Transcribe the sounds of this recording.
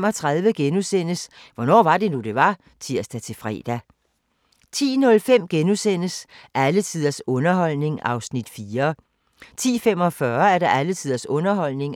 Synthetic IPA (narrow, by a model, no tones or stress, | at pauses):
mɒ̽t͡sʰʁað̞ˠʋəɡ̥enusen̰əs | ʋɒnɒ̰ːʋɑ̈d̥e̝nud̥e̝ʋɑ̈ | sʰiɐsd̥ɑt͡sʰe̝fʁɛ̰ːd̥æ | t͡sʰḭːnɔ̽lfem̰ɡ̥enusen̰əsʔælət͡sʰið̰ˠɐsɔ̽nɐɦɒ̽l̰ne̝ŋɑ̈ʊsnid̥fiːɐ | t͡sʰḭːfem̰ɒ̽fɶɐæɐɾ̥ɑ̈ʔælət͡sʰið̰ˠɐsɔ̽nɐɦɒ̽l̰ne̝ŋ